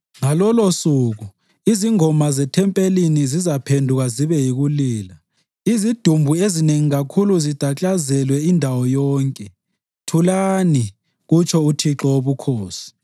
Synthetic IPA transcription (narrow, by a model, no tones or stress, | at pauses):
ŋalɔlosuɣu | iziŋɔmazɛtʰɛmpʼelinizizapʰendʱuɣaziβɛjiɣuliːla | izid̥ʱumbʱuezineŋiɣakʰuluzid̥ʱat͡ɬʼazɛlwɛindʱawɔjɔːŋkʼɛ | tʰulaːni | ɣut͡ʃʰɔutʰiǁɔoβukʰoːsi̥